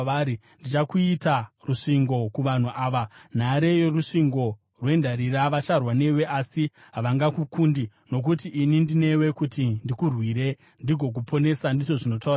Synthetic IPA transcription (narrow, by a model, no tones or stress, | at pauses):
aɾi | ndit͡ʃakuitaruʂiŋɡo̞kuʋan̤uʔaːʋan̤aɾe̞jeruʂiŋɡo̞ | rwe̞ndaɾiɾaʋat͡ʃarwane̞we̞ʔasi | ɦaʋaŋɡakukuːndi | no̞k̬utiʔːnindine̞we̞kutindikurwiɾe̞ | ndiɡʱo̞k̬upʰo̞ne̞sandit͡ʃo̞ʐino̞tauɾa